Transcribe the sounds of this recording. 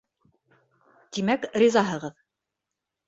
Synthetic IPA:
t̪imækrʲizɑɦɤ̆ʁɤð

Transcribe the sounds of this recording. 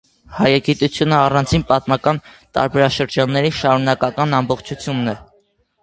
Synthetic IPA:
hɑjɑɡit̪ut͡sʰjunəɑrɑnt͡sʰinpɑt̪mɑkɑnt̪ɑ̰ɾbɛɾɑʃəɾd͡ʒɑnːɛɾiʃɑɾunɑkɑkɑnɑmbɔχt͡ʃʰut͡sʰjunːɛ

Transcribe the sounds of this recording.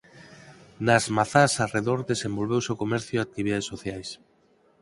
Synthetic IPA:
nazmaθasareðoɾdesembolβewseokomɛɾθjoak̚t̪iβiðaðesːoθjajs

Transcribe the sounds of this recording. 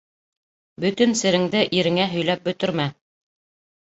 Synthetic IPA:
bɵ̆t̪ɘnsɘ̆ɾɘ̆ŋd̪ɘʔiɾɘ̆ŋæɦɵ̆jl̪æp̚bɵ̆t̪ɵ̆ɾmæ

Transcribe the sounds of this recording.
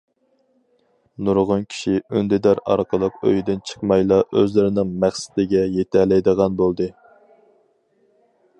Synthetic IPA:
nuɾʁʊnkʲʰi̥ʃiønd̪ɪd̪æɾɑ̰ɾqʰəlˠəqø̰jd̪ɪnt͡ʃʰə̥qmɑjlˠɑʔøzlɪɾɪnɪŋmæχsɪ̥d̪ɪɡʲɛjet̪ʰælɛjd̪əʁɑnbolˠd̪ɨ

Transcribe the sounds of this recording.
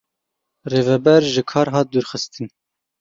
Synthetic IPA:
reːvɛbɛɾʒɨkʰɑːɾɦɑːt̪̚d̪uɾxɨst̪ɨn

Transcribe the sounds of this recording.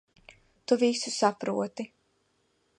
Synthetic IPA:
t̪uvisusapɾṵɔt̪i

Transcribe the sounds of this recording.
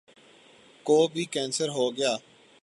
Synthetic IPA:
koːbʱiːkɛ̃ːnsəɾɦoːɡɪjaː

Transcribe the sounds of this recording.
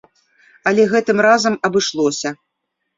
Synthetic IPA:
ɐlʲɛɣɛt̪ɨmrazɐmɐbɨʂlˠɔsʲɐ

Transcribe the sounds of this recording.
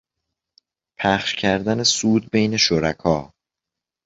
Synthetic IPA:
pʰæχʃcʰæɾd̪ænesuːd̪̚bejne̞ʃoɾækʰɒː

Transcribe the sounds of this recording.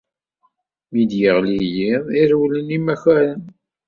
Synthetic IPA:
mid̪jəʁlijiðˤiɾwlənimæçæɾən

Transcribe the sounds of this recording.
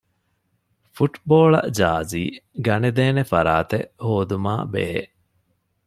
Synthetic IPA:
fuʈboːɭɐ̰d͡ʒaːziːɡɐned̪eːnefɐɾaːt̪eʔhoːd̪umaːbḛːḛʔ

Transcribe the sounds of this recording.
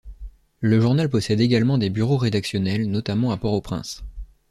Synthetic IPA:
ləʒuʁnalpɔsɛd̪eɡalmɑ̃d̪ebyʁoʁed̪aksjɔnɛlnɔt̪amɑ̃apɔʁopχɛ̰̃s

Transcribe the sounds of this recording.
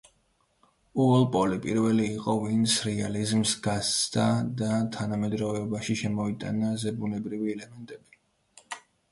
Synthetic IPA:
uɛlˠpʼɔlipʼiɾvɛliːqʼɔvint̪sʰɾɛalizmsɡasʰd̪̥ad̪at̪ʰanamɛd̪ɾɔvɛbaʃiʃɛmɔit̪ʼa̰nazɛbunɛbɾiviɛlɛmɛnt̪ʼɛbi

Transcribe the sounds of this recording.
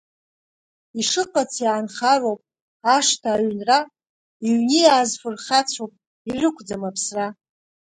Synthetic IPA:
iʂɨqʼat͡sʰjʕanχarowpʼ | aʂtʰaːɥnra | iɥnijaːzfʊrχat͡sʷʰowpʼ | irɨkʷʰd͡zamapʰsra

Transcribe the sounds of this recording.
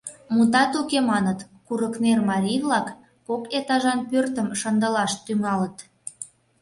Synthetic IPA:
mut̪ɑt̪ukemɑnət̪ | kuɾəknermɑɾʲijvlɑkː | oket̪ɑʒɑnpørt̪əmʃə̆nd̪ə̆lɑʃt̪yŋɑlət̪

